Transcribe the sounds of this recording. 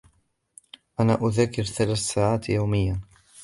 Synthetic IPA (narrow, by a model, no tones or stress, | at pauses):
ʔanaːʔʊðaːkːɪɾθalaːθsaːʕaːt̪jawmɪjːa